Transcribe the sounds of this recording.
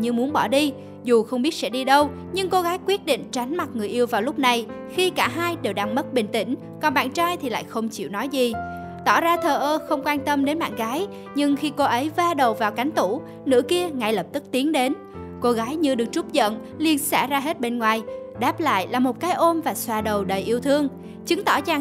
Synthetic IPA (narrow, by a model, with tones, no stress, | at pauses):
ɲɨ˧mu˨˦ənɓɔ˧˩ɗi˧ | zu˨˩xə˧wŋ͡mɓi˦˥ət̚sɛ̰˧˥ɗi˧ɗə˧w | ɲɨ˧ŋko˧ɣaː˨˦jkwi˦˥t̚ɗḭ˧˨ŋ̟t͡ɕa˨˦jŋ̟ma˨˩t̚ŋɨ˨˩əjʔi˧əwvaː˨˩wlʊ˦˥k͡p̚na˨˩j | xi˧kaː˧˩ɦaː˧jɗe˨˩wɗa˧ŋmə˦˥t̚ɓï˨˩ŋ̟t̪ï˧˩ŋ̟ | kɔ˨˩nɓa̰ː˧˨nt͡ɕaː˧jt̪ʰi˨˩la̰ː˧˨jxə˧wŋ͡mt͡ɕḭ˧˨wnɔ˨˦jzi˨˩ | t̪ɔ̰˧˩zaː˧t̪ʰəː˨˩ʔəː˧xə˧wŋ͡mkwaː˧nt̪ə˧mɗe˨˦nɓa̰ː˧˨nɣaː˨˦j | ɲɨ˧ŋxi˧ko˧ʔə˨˦jvaː˧ɗə˨˩wvaː˨˩wka˨˦jŋ̟t̪u˧˩ | nɨ̰˧˥əki˧əŋa˧˩jlə˨˩p̚t̪ɨ˦˥k̚t̪i˨˦əŋɗe˨˦n | ko˧ɣaː˨˦jɲɨ˧ɗɨ˨˩ək̚t͡ɕʊ˦˥p̚zə̰˧˨n | li˧ənsa̰ː˧˩zaː˧ɦe˦˥t̚ɓe˧nŋwaː˨˩j | ɗaː˦˥p̚la̰ː˧˨jlaː˨˩mo˨˩t̚kaː˨˦jʔo˧mvaː˨˩swaː˧˨˩ɗə˨˩wɗə˨˩jʔi˧əwt̪ʰɨ˧əŋ | t͡ɕɨ˨˦ŋt̪ɔ˧˩t͡ɕaː˧˩